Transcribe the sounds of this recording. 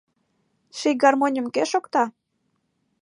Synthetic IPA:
ʃijɡɑrmonʲə̆mkeʃokt̪ɑ

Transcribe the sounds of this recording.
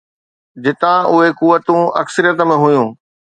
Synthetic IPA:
d͡ʑɪt̪ãʔʊɦekuʋːət̪ũɐksəɾijət̪̬ə̆mẽɦʊjũː

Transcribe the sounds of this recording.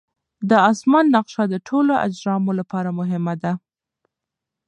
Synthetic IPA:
d̪əɑsmɑnːaqʃad̪əʈʰoloʔa̰d͡ʒɾɑmolapɑɾamʊɦɪmad̪a

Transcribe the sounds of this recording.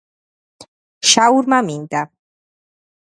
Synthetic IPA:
ʃauɾmamind̪a

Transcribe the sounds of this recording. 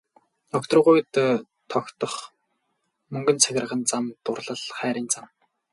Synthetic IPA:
t̪ɔkt̪ɞ̆rʁujt̪ː | t̪ʰːɔkt̪ɞ̆χ | mɵŋɡɵ̆nt͡sʰæɣʲɪ̆r̆ʁə̆nt͡samt̪ʊrɮə̆ɮχæːɾʲiːnt͡sam

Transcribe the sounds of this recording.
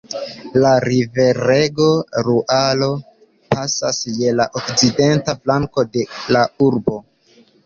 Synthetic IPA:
laɾive̞ɾeɡo̞ɾuʔalo̞ | pasasje̞laʔokt͡side̞ntaflaŋko̞de̞lauɾbo̞

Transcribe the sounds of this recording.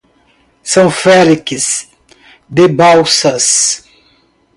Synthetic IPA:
sɐ̃w̃fɛlikɪs | d̪ebawsɐs

